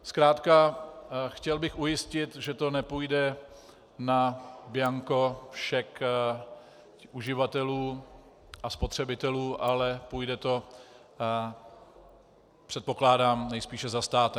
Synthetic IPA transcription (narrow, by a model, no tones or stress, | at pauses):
skɾaːt̪ka | xcɛlbɪxujɪscɪt̪ʒɛt̪o̞nɛpujdɛ | nabɪaŋko̞fʃɛk | ʔuʒɪvat̪ɛluː | ʔaspot̪r̝̥ɛbɪt̪ɛluːʔalɛpujdɛt̪o̞ | pr̝̥ɛt̪̚po̞klaːdaːmnɛjspiːʃɛzast̪aːt̪ɛ